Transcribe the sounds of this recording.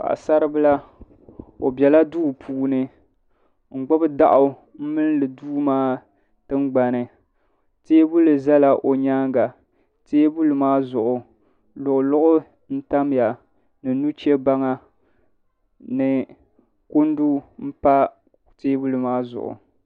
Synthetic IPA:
ka̰˨ʔa̰˨sa˦ɾɨ˦bɨ˦la˦ | o̰˨bʲɛ˨la˦duː˦pʰuː˦nɨ˦ | ŋ͡m̩˨ɡ͡bʊ˦bɨ˦da˦ʔʊ˨˦ | m̩˦mɨ˦n˦lɨ˨duː˦maː˦ | tɨ˦ŋɡ͡ba˨nɨ˨ | teː˦bu˦lɨ˨za˦la˨ʔo˨ɲaː˦ŋɡa˨ | teː˦bu˦lɨ˨maː˦zʊ˨ʔʊ˨ | lʊ˨ʔʊ˨lʊ˦ʔʊ˦ | n̩˦ta˦m˦ja˨ | nɨ˨nu˦t͡ʃɛ˦ba˦ŋa˦ | nɨ˨ | ku˦ndu˦m̩˦pa˦ | teː˦bu˦lɨ˨maː˦zʊ̰˨ʔʊ̰˨

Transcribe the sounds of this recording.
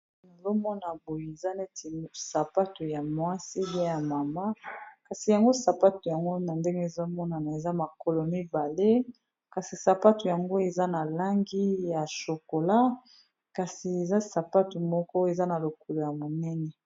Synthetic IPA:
no˨zo˦mɔ˦na˨bo˨je˨e˨za˦ne˦ti˨sa˨pa˦tu˨ja˨mwa˦si˦bi˦a˦ja˨ma˨ma˦ka˨si˨ja˨ŋɡo˦sa˨pa˦tu˨ja˨ŋɡo˦na˨nde˦ŋɡe˦e˨zo˦mɔ˦na˨na˨e˨za˦ma˨ko˦lo˨mi˦ba˨le˦ | ka˨si˨sa˨pa˦tu˨ja˨ŋɡo˦e˨za˦na˨la˦ŋɡi˦ja˨ʃo˨ko˨la˦ | ka˨si˨e˨za˦sa˨pa˦tu˨mɔ˦kɔ˦e˨za˦na˨lo˨ko˨lo˨ja˨mo˨nɛ˦nɛ˨

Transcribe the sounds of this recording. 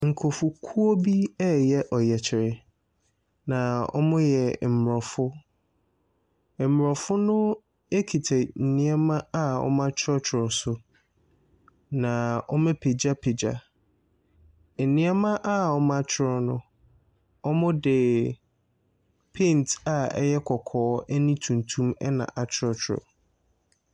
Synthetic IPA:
ŋ̩˨kʰo˨fʊ˨kʰu˦o˦bi˦ɛ˦jɛ˦ʔɔ˨jɛ˨t͡ɕʰɪ˨ɾɪ˨ | nã˨ɔ̰˦mʊ̃˦jɛ˨m̩˨m˨ɾɔ˨fʊ˦˨ | m˨ɔ˨fʊ˦nʊ̃˦ | e˦kʰi˨tʰɛ˨n̩˨nĩ˦ɛ˦mã˦a˦ɔ̰˦mã˦t͡ɕʰɾɔ˦t͡ɕʰɪ˨ɾɔ˨sʊ˨ | nã˨ɔ˦mɛ̃˦pʰe˨d͡ʑa˦pʰe˨d͡ʑa˦˨ | nĩ˦ɛ˦mã˦ʔa˦ɔ˦mã˦t͡ɕʰɪ˦ɾɔ˦nʊ̰̃˦ | ɔ˦mʊ̃˦dɪ˨ | pʰẽ˦˨nta˨ɛ̰˦jɛ˦kʰɔ˨kʰɔː˦ɛ˦nĩ˦tʰũ˨ntʰũ˦mɛ̰˦nã̰˨ʔa˨t͡ɕʰɪ˦ɾɔ˦t͡ɕʰɪ˨ɾɔ̰˨

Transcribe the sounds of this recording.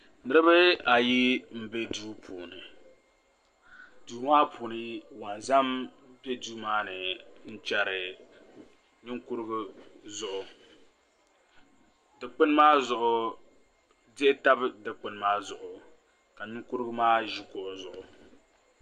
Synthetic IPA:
nɨ˦ɾɨ˦bɨ˦a˨ji˦m̩˦be˦duː˦pʰuː˨nɨ˨ | duː˨˦maː˦pʰuː˨nɨ˦wa˨n˨za˦m˦ | pe˦duː˦maː˦nɨ˨n̩˦t͡ʃɛ˨ɾɪ˨ | ɲɪ˦ŋku˦ɾɨ˦ɡʊ˦zʊ˨ʔʊ˨ | dɨ˨k͡pɨ˦n˦maː˦zʊ˨ʔʊ˨ | dɛ˦ta˦bdɨ˨k͡pɨ˦n˦maː˦zʊ˨ʔʊ˨ | ka˨ɲɪ˦ŋku˦ɾɨ˦ɡɨ˦maː˦ʒi˦kɔ˨zʊ˨ʔʊ˨

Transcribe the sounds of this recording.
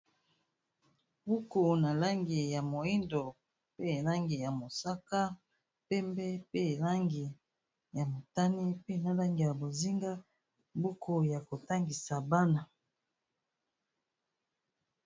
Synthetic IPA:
bu˦ko˨na˨la˦ŋɡi˨ja˨mo˨i˦ndo˨ | pe˦˨la˦ŋɡi˨ja˨mo˨sa˦ka˦ | pɛ˦mbɛ˦pe˦˨la˦ŋɡi˨ | ja˨mo˨ta˦ni˦pe˦na˨la˦ŋɡi˨ja˨bo˨zi˦ŋɡa˦ | bu˦kʰo˨ja˨ko˨ta˦ŋɡi˨sa˨ba˦na˨

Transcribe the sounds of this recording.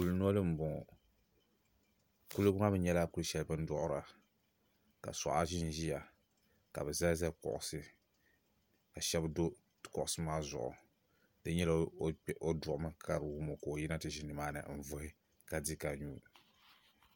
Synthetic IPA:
ku˨˦ln˦ɔ˦lɨ˦m̩˨bɔ˨ŋɔ˨ | ku˦lu˦bʊ˦ŋa˦bɨ˦ɲɛ˦la˦ku˦lʃɛ˦lɨ˦bɨ˦n̩˦dɔ˦ʔʊ˦ɾa˨ | ka̰˨sɔ̰˨ʔa˦ʒi˦n˨ʒi˦ja˨ | ka̰˨bɨ˨za˦za˦kɔ̰˨ʔʊ˨sɨ˦ | ka˨ʃɛ˦bd | kɔ˨ʔʊ˨sɨ˦maː˦zʊ̰˨ʔʊ̰˨ | dɨ˦ɲɛ˦la˨o˦dʊ˨ʔʊ˦mɨ˦kʰa˦ɾwu˦mo˨ko˨o˨ji˦na˦tɨ˨ʒi˨nːɨ˨maː˦nɨ̰˨m̩˨vʊ˦hɪ˦ | ka˨di˦ka˨ɲuː˦

